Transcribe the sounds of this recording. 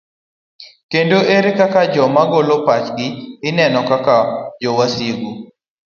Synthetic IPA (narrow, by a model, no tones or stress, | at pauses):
kendoeɾekakad͡ʒɔmaɡolopat͡ʃɡɪɪnɛnɔkakad͡ʒɔwasiɡu